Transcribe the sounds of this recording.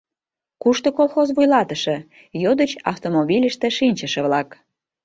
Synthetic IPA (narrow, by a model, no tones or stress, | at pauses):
kuʃt̪okolˠxozβujlɑt̪əʃĕ | jod̪ət͡ɕɑ̰ft̪omoβilʲəʃt̪ĕʃinʲt͡ɕəʃĕβlɑk